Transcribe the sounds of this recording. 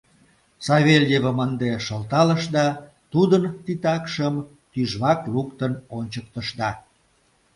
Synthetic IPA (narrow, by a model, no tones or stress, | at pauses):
sɑβelʲjeβəmənd̪eʃəlt̪ɑləʃd̪ɑ | t̪ud̪ənt̪it̪ɑkʃəm | t̪yʒβɑklukt̪ənonʲt͡ɕək̚t̪əʃd̪ɑ